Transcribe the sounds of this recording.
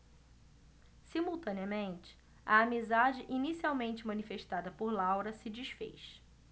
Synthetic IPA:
simuwt̪ɐ̃niɐmẽnt͡ʃɪ̥ | ɐːmizad͡ʒɪʔinisiawmẽnt͡ʃɪmɐ̃nifeʃt̪ad̪ɐpoɾlawɾɐsɪd͡ʒiʃfḛjʃ

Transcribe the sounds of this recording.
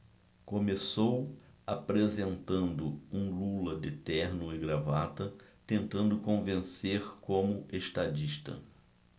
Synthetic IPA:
kõmesowapɾezẽnt̪ɐ̃nd̪ʊũlulɐd̪ɪt̪ɛɾnʊɪɡɾavat̪ɐt̪ẽnt̪ɐ̃nd̪ʊkõvẽseɾkõmʊʔeʃt̪ad͡ʒiʃt̪ɐ̰

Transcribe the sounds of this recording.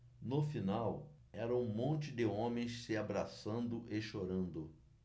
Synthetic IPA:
nofinaw | ɛɾɐũmõnt͡ʃɪd̪ɪõmẽj̃ssɪabɾasɐ̃nd̪ʊʔeʃoɾɐ̃nd̪ʊ

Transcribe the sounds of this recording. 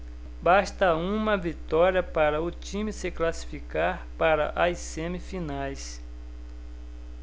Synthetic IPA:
baʃt̪ɐũmɐvit̪ɔɾiɐpaɾɐʊt͡ʃĩmɪsɪklasi̥fikaɾpaɾɐ̰ʔajsẽmifinajs

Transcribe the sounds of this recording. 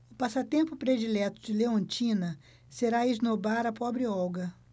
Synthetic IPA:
ʊpasɐt̪ẽmpʊpɾed͡ʒilɛt̪ʊd͡ʒɪleõnt͡ʃĩnɐ | seɾaiznobaɾɐpɔbɾɪɔwɡɐ

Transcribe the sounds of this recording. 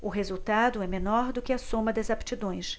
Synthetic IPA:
ʊɦezuwt̪ad̪ʊɛmenɔɾd̪ʊkɪɐsõmɐd̪ɐzapt͡ʃid̪õj̃s

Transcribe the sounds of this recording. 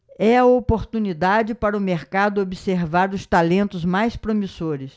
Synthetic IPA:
ɛɐopoɾt̪unid̪ad͡ʒɪpaɾɐʊmeɾkad̪ʊobiseɾvaɾʊst̪alẽnt̪ʊzmajspɾomisoɾɪs

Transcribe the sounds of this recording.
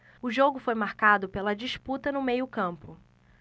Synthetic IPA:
ʊʒoɡʊfojmaɾkad̪ʊpelɐd͡ʒiʃput̪ɐnʊmejʊkɐ̃mpʊ

